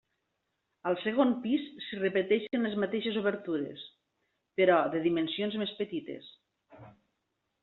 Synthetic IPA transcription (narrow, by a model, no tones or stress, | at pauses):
əlˠsəɣ̞onpisːirəpət̪ɛʃenlezmat̪eʃezuβəɾt̪uɾḛs | pəɾɔðəðimənsionzmespət̪it̪ḛs